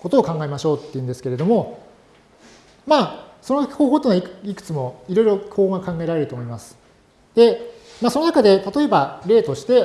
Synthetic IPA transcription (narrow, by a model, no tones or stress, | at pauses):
ko̞t̪o̞ːkãŋɡaemaɕo̞ːt̪ːe̞ɯ̟nd̪e̞sɨ̥ke̞ɾe̞d̪o̞mo̞ | maːso̞nohoːɦo̞ːt̪enaiikɯ̥t͡sɨmo̞iɾo̞iɾo̞kʰoːɡakãŋɡae̞ɾaɾe̞ɾt̪oːmoimasɨ̥ | d̪̥e̞ | maːso̞no̞nakad̪e̞t̪at̪o̞e̞baɾe̞ːt̪o̞ɕi̥t̪e̞